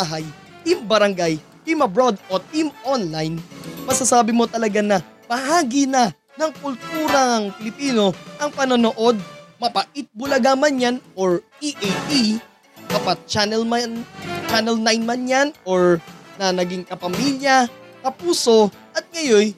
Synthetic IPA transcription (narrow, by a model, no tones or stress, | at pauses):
baɦaj | t̪imbɐɾɐŋɡaj | t̪imɐbɾod̪ot̪imonlajnmɐsɐsaːbɪmo̞t̪ɐlɐɡanɐ | pɐhaːɡinɐ | nɐŋkʊlt̪uːɾɐŋpɪlɪpiːno̞ʔɐŋpɐnono̞ʔo̞d̪̚mɐpɐʔɪt̪̚bʊlɐɡamɐnjanʔoɹ | iʔajt̪i | d̪aːpɐt̪̚t͡ʃanɛlmant͡ʃanɛlnajnmɐnjanoɹnɐnɐɡiŋkɐpɐmiljɐkɐpuːso̞ | ʔɐt̪̚ŋɐjo̞j